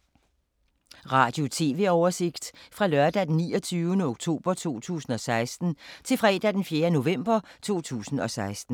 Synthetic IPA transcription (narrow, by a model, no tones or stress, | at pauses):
ʁɑ̈ːd̥jo̝t͡sʰe̝ːʋe̝ɒʊɐse̝ɡ̥d̥fʁɑ̈lɶɐd̥æd̥enːḭːɒt͡sʰyːʊənəoɡ̥t͡sʰo̝̰ːb̥ɐt͡sʰo̝̰ːt͡sʰṵːsn̩ɒ̽sɑ̈ɪsd̥n̩t͡sʰe̝lfʁɛːd̥æd̥enfjeːɐno̝ʋem̰b̥ɐt͡sʰo̝̰ːt͡sʰṵːsn̩ɒ̽sɑ̈ɪsd̥n̩